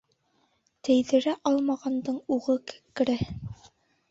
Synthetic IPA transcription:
t̪æ̆jðɘ̆ɾæʔɑlˠmɑʁɑnd̪ɤɴuʁɤkɘ̥kːɘ̆ɾæ

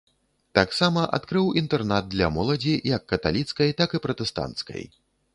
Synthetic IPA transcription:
t̪aksamɐʔa̰t̪kɾɨwint̪ɛrnad̪̚d̪lʲɐ̰mɔlˠɐd͡zʲijɐkːɐt̪a̰lʲit̪skɐjt̪akɨpɾɐt̪ɛst̪a̰nt̪skɐ̰j

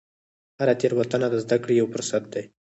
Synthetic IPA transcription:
haɾat̪eɾwat̪ənad̪əzd̪akɽejawfʊɾsat̪̚d̪aj

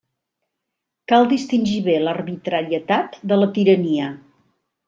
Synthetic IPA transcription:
kalˠd̪ist̪inʲʒiβelərβit̪ɾəɾiət̪at̪d̪ələt̪iɾəniə

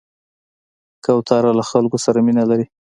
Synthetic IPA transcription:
kawt̪ʰɑɾalaxalkosaɾaminalaɾi

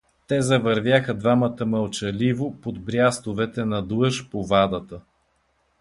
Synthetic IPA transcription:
t̪ɛzɐvəɾvʲjaxəd̪vamət̪əməlˠt͡ʃɐlivopod̪bɾʲjast̪ovɛt̪ɛnɐd̪lˠɤʃpovad̪ət̪ə

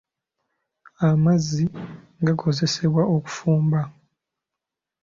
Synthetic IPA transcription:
amazːiŋɡakʰo̞ze̞se̞βwaʔo̞ku̥fuːmba

